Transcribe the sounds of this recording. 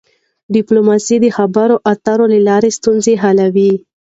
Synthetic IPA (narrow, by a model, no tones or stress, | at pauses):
ɖɪplomɑsid̪əxabaɾoʔat̪aɾolalɑɾest̪unzeɦalawi